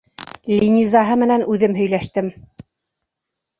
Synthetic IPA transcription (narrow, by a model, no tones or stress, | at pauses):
lʲinʲizɑɦɤmɘ̆nænʉðɘmɦɵ̆jlæʃt̪ɘm